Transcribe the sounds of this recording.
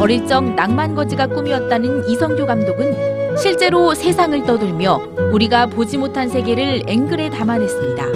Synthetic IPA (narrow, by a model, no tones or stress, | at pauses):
pʌɾiɭt͡ɕ͈ʌŋnaŋmanɡʌd͡ʑiɡak͈umiʌt̚t͈anɯnisʰʌŋɡjoɡamdoɡɯnɕʰiɭt͡ɕ͈e̞ɾosʰe̞sʰaŋɯɭt͈ʌdɯɭmjʌ | uɾiɡapod͡ʑimotʰansʰe̞ɡe̞ɾɯɭe̞ŋɡɯɾe̞tamanwe̞s͈ɯmɲida̰